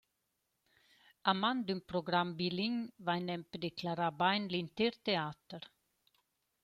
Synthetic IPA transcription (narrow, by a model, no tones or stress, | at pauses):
amand̪ʉmpɾɔɡɾambiliŋvajnɛmpd̪ɛkʰlaɾabaɪnlint̪eɾt̪eaːt̪əɾ